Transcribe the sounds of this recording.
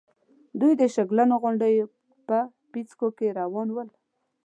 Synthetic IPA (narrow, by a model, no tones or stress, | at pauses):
d̪ujd̪əʃaɡlanoɣʊɳɖəj | pə | pit͡skokeɾawɑnwəl